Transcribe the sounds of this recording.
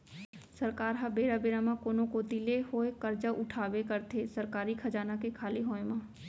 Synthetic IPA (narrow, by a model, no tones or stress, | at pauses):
sɐɾkaːɾɦabeːɾabeːɾamãkoːnõkoːt̪ilehoːekəɾd͡ʒaʔʊʈʰaːwekəɾt̪ʰesɐɾkaːɾikʰɐd͡ʒaːnakekʰaːleɦoːẽmãː